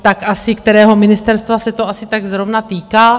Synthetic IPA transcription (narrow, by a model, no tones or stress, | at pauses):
t̪akʔasɪkt̪ɛɾɛːɦo̞mɪnɪst̪ɛɾst̪vasɛt̪o̞ʔasɪt̪aɡzɾo̞vnat̪iːkaː